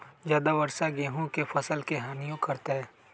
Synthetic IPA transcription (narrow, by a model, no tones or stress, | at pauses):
zjaːd̪aʋɐɾsaɡeːɦõkefɐsəlkeɦaːnijõkɐɾt̪eɦɛː